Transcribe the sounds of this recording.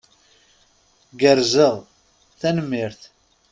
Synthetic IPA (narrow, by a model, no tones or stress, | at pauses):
ɡəɾzəʁ | θænəmːiɾθ